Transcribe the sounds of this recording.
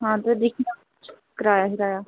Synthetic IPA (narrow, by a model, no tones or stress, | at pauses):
ɦãːt̪ed̪ɪkʰna | t͡ʃʰ | kəɾaːjaːɦɪɾaːjaː